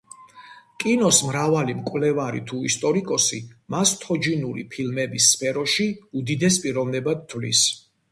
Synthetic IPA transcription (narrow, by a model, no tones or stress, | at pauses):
kʼinɔsmɾavalimkʼvlɛvaɾḭt̪ʰuist̪ʼɔɾikʼɔsimast̪ʰɔd͡ʒinuɾḭpʰilmɛbisːpʰɛɾɔʃiud̪id̪ɛs̬pʼiɾɔvnɛbad̪̚t̪ʰːvlḭs